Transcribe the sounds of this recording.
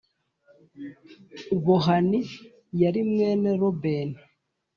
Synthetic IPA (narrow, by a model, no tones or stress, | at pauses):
βoɦani | jaɾimweːneɾobeːni